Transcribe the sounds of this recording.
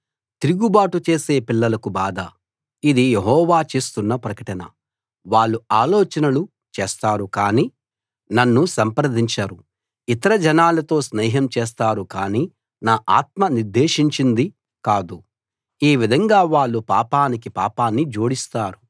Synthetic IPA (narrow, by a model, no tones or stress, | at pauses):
t̪iɾuɡubaːʈut͡ʃe̞ːse̞ːpilːɐlɐkubaːd̪ɐ | id̪ijeɦɔːʋaːt͡ʃe̞ːst̪unːɐpɾɐkɐʈɐnɐ̰ | ʋaːɭːuaːlɔːt͡ʃɐnɐlu | t͡ʃeːst̪aːɾukaːniː | nɐnːusɐmpɾɐd̪ʱiɲt͡ʃaːɾu | it̪ɐɾɐd͡ʒɐnaːlɐt̪o̞ːsnɛːɦɐmt͡ʃɛːs̬t̪aːɾukaːniː | naːʔaːt̪̚mɐniɾd̪e̞ːʂiɲt͡ʃind̪i | kaːd̪u | eːʋid̪ʱɐŋɡaːʋaːɭːupa̰ːpaːnikipa̰ːpaːnːid͡ʒoːɽist̪aːɾu